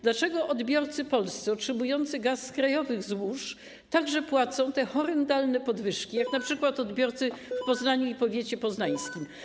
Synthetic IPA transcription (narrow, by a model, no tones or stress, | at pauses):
d̪lat͡ʂɛɡɔʔɔd̪bʲjɔɾt̪sɘpɔlst̪sɛɔtʂɛmujɔnt̪sɘɡaskɾajɔvɘɣzwuʂ | t̪aɡʐɛpwat̪sɔ̃w̃t̪ɛxɔɾɛnd̪alnɛpɔd̪vɘʂkʲijaknapʂɘkwat̪ɔd̪bʲjɔɾt̪sɘfpɔznaɲuipɔvʲjet͡ɕɛpɔznaj̃skʲim